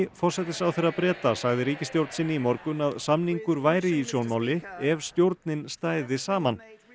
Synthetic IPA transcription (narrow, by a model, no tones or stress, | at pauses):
fɔr̥sɛt̪ɪsawθejɾapɾɛːt̪asaɣðɪɾiːcɪst̪jowɾt̪nsɪnːɪimɔɾkʏnaðsamniŋkʏɾvaːjɾɪisjownmawlɪɛv̥st̪jowɾt̪nɪnst̪aːjðɪsaːman